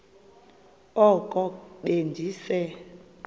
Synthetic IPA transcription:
ɔkʼɔɗend͡ʒisɛ

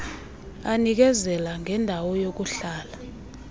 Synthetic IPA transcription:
anik̬ɛzɛlaŋʱɛndʱawɔjok̬uɬaːla

